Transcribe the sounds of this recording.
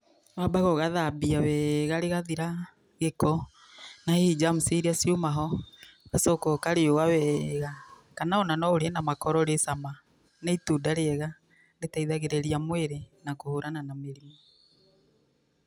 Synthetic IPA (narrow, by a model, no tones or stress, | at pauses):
βabaɣɔɣaðabiawɛɣaɾeɣaðiɾa | ɣekɔ | naheid͡ʒamusiɾiasiomaɦɔɣasɔkɔkaɾeowawɛɣa | kanaonanɔɾeɛnamakɔɾɔɾesama | neitudaɾeɛɣa | letaiðaɣeɾeɾiamweɾenakohoɾananameɾimo